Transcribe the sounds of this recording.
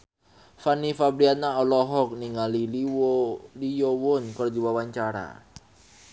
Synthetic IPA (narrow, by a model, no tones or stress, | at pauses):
fanifabɾiat̪̚naɔlɔɦɔk̚niŋali | lijowʊnkərd̪iwawaɲt͡ʃaɾa̰